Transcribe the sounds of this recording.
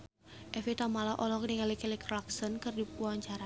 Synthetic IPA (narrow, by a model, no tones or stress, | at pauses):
ʔɛfit̪amalaʔɔlɔk̚diŋalikɛlikraksɔnkɨrdiuwaɲt͡ʃaɾa